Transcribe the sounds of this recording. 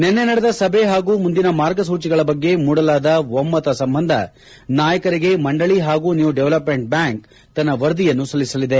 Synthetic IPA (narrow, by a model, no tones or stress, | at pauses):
nenːenɐɽed̪ɐsɐbʱe̞ɦaːɡuːmund̪inɐmaːɾɡɐsuːt͡ʃiɡɐɭɐbɐɡːe̞muːɽɐlaːd̪ɐʋomːɐt̪ɐsɐmbɐnd̪ʱɐ | naːjɐkɐɾiɡe̞mɐɳɖɐɭiɦaːɡuːnjuːɖɛʋlɐpmeɳʈ̚bjaːŋk | t̪ɐnːɐʋɐɾd̪ijɐnːusɐlːisɐlid̪e̞